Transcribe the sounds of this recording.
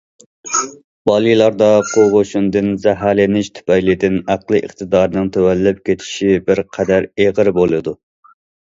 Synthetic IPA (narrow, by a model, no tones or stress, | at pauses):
b̥ɑlˠijlˠɑɾd̪ɑqʰoʁoʃund̪ɨnzæɦɑlɪnɪʃt̪ʰy̥pɛjlɪd̪ɪnæqlˠɨʔə̰χt̪ɨd̪ɑːɾɨnɨŋt̪ʰɛwɛlːɪp̚kʲet̪ʰɪ̥ʃibɪɾqʰɛd̪æɾeʁəɾbolˠɨd̪u